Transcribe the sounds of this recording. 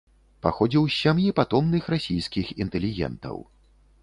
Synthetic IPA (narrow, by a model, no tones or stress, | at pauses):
paxɔd͡zʲiwsʲamjipat̪ɔmnɨxrasʲijskʲixint̪ɛlʲiɣʲɛ̰nt̪ɐ̰w